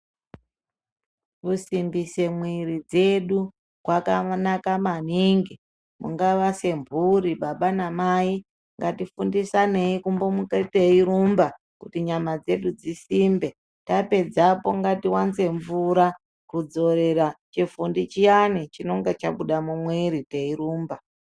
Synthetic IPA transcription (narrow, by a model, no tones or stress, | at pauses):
kusimbise̞mwiɾid͡ze̞ɗu | kwakanakamaniŋɡi | mṵŋɡaʋase̞mbʱuɾiɓaɓanamai | ŋɡatifundisane̞ikumbo̞muketeiɾumba | kutiɲamad͡ze̞ɗud͡zisimbe̞ | tape̞d͡zapo̞ŋɡatiwanze̞ɱvuɾa | kud͡zo̞ɾe̞ɾat͡ʃifundit͡ʃijanit͡ʃino̞ŋɡet͡ʃaɓuɗamumweɾiteiɾuːmba